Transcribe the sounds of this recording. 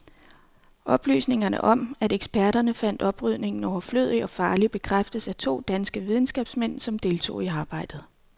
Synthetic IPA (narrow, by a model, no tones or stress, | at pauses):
ʔɒ̽b̥ly̰ːsne̝ŋɐnə̰ʔɒ̽mæɾeɡ̥sb̥æɐɾ̥ɐnəfæn̰d̥ɒ̽b̥ʁyð̰ˠne̝ŋn̩ɒʊɐflø̰ð̞̰ˠiɒ̽fɑ̈ːlib̥e̝kʰʁafd̥əsæt͡sʰo̝̰ːd̥ænsɡ̥əʋiðˠn̩sɡ̥ɛ̰ːb̥smen̰sɒ̽md̥e̝ːlt͡sʰo̝̰ːiɑ̈ːb̥ɑ̈ɪ̰d̥ð̞̩ˠ